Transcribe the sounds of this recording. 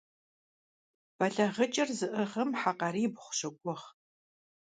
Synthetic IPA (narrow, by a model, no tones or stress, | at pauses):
b̥ɐɮɐʁət͡ʃʼɐrzɨʔɨʁɐmħaqaɾiːbχʷʊ̥ɕɐkʷʼʊʁ